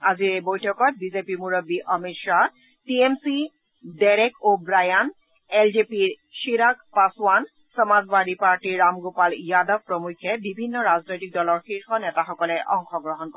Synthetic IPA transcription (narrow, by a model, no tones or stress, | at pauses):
aziɹebɔjtʰɔkɔt̚bizepimuɹɔbiʔɔmitʃa | tiemsi | dɛɾekʰobɹajan | eld͡ʒepiɹ | ʃiɾakpaswan | sɔmazbaɾipaɹʈiɹːamɡopaljadɔvpɹɔmukʰːɛbibʱinːɔɹaznojtik̚dɔlɔɹxiɹxɔnɛtaxɔkɔlɛʔɔŋxɔɡɹɔɦɔnkɔ